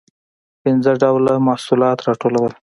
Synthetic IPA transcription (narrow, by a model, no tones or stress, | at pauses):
pɪnzəɖawlamahsulɑt̪ɾɑʈolawəl